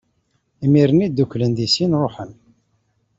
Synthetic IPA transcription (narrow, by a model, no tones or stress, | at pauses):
imiɾənid̪ːuklənðisinɾˤoħən